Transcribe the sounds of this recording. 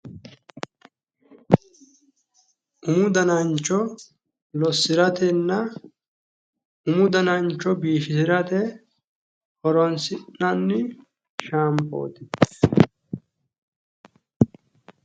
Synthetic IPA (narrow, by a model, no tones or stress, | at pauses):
ʔʊmʊd̪ɐnɐnt͡ʃːɔ | lɔsːɪɾɐt̪ɛnːɐ | ʊmʊd̪ɐnɐnt͡ʃːɔbiːfɪsɪɾɐt̪ɛ | hɔɾɔnsɪnɐnːɪ | ʃaːmpo̰ːt̪ɪ